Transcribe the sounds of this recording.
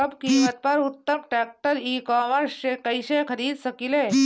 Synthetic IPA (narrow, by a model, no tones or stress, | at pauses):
əbkimət̪̚paɾut̪ːəmʈɛk̚ʈəɾiːkɔːməɾsɕekəjɕekəɾiːd̪sɐkileː